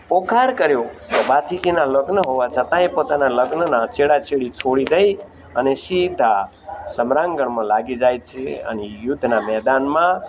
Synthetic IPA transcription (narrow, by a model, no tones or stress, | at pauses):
pokʰaɾkəɾjot̪obat̪ʰit̪inaləɡnəɦoʋat͡ʃʰət̪ãẽpot̪analəɡnənat͡ʃeɽat͡ʃʰeɽit͡ʃʰoɽid̪əj | ənesid̪ʱa | səmɾaŋɡəɳmãlaɡid͡ʒajt͡ʃʰeə̰nijud̪ʱnamɛd̪anmã